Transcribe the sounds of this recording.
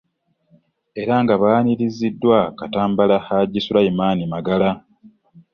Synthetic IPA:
e̞ɾaŋɡaβaːniɾizidːwakataːmbalaxaɟisulaimaːnimaɡala

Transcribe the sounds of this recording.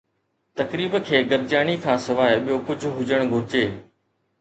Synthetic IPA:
t̪ɐkɾiːbkʰeːɡəɾd͡ʒaːɳ̃ikʰãːsɪʋaːɪɓijoːkʊd͡ʑʱɦʊd͡ʒəɽ̃ɡʱʊɾɪt͡ʃeː

